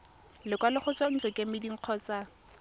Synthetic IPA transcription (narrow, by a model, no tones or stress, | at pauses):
lɪkwalɪχʊt͡sʼwɔn̩t͡sɛkʼemɪdiŋ̩q͡χʰɔːt͡sa